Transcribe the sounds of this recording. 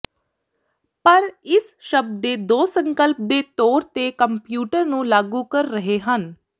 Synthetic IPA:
pəɾɪsʃəb̚d̪eːd̪oːsəŋkəlp̚d̪eːt̪oːɾt̪eːkəmpjuːʈəɾnũːlaːɡuːkəɾːəɦeːɦən

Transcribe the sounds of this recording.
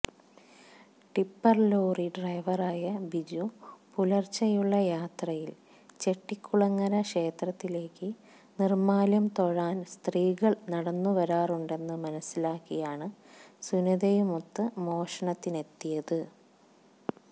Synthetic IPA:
ʈipːɐrlo̞ːriɖrɐjʋɐraːjɐbid͡ʑupulɐrt͡ɕːɐjuɭːɐjaːt̪rɐjil | t͡ɕe̞ʈːikʲːuɭɐŋːɐɾɐʂe̞ːt̪rɐt̪ːile̞ːkːɨ | nirmaːljɐmt̪o̞ɻaːnst̪riːɣɐɭnɐɽɐnːuʋɐɾaːruɳɖe̞nːɨmɐnɐsːilaːkːijaːɳɨsuniðɐjumot̪ːɨmo̞ːʂɐɳɐt̪ːine̞t̪ːijɐðɨ

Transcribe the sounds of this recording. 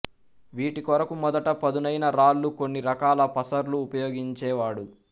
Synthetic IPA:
ʋiːʈikɔɾɐkumɔd̪ɐʈɐpɐd̪unɐjnɐɾaːlːuko̞nːiɾɐkaːlɐpɐsɐɾluːpɐjoːɡiɲt͡ʃɛːʋaːɽu

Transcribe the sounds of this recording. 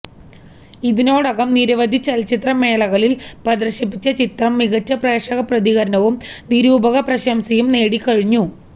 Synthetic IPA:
iðino̞ːɽɐɣɐmniɾɐʋɐd̪ʱit͡ɕɐlt͡ɕit̪rɐme̞ːlɐɣɐɭilpɐd̪ɐrɕɐp̬ːit͡ɕːɐt͡ɕit̪rɐmːiɣɐt͡ɕːɐpreːʂɐɣɐprɐðiɣɐɾɐnɐʋumniɾuːbʱɐɣɐprɐɕɐmsɐjumne̞ːɽikɐɻiɲːu

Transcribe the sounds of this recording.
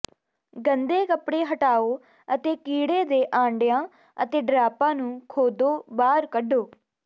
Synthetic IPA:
ɡənd̪eːkəpɽeːɦəʈaːoː | ət̪eːkiːɽeːd̪eːʔãːɳɖjãː | ət̪eːɖɾaːpãːnũːkʰoːd̪oːbaːɾkəɖoː

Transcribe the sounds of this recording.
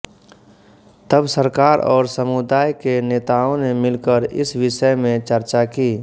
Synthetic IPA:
t̪əbsəɾkaːɾɔːɾsəmʊd̪aːjkeneːt̪aːõnemɪlkəɾɪ̰sʋɪʃəjmẽt͡ʃəɾt͡ʃakiː

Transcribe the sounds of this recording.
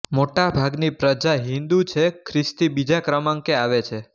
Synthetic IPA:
moʈabʱaɡnipɾəd͡ʒaɦĩnd̪ut͡ʃʰekʰɾɪst̪ibid͡ʒakɾəmãŋkeaʋet͡ʃʰe

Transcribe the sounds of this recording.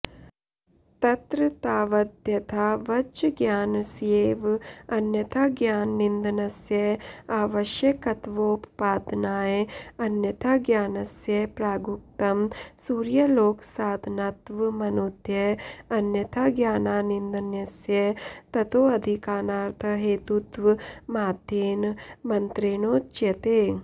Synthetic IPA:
t̪ɐt̪ɾɐt̪aːʋɐd̪ʱjɐt̪ʰaːʋɐt͡ʃɐɡjaːnɐsjeːʋɐnjɐt̪ʰaːɡjaːnːind̪ɐnɐsjɐaːʋɐʃjɐkɐt̪ʋoppaːd̪naːjeɐnjɐt̪ʰaːɡjaːnɐsjɐpɾaːɡuk̚t̪ɐmsuːɾjɐloːksaːd̪ʱɐnaːt̪ʋmɐnuːd̪ʱjɐɐnjɐt̪ʰaːɡjaːnaːnind̪ɐnjɐsjɐt̪ɐt̪oːɐd̪ʱikaːnaːɾt̪ʰɐɦeːt̪ut̪ʋmaːd̪ʱjeːnmɐnt̪ɾeːnoːt͡ʃjɐt̪eː

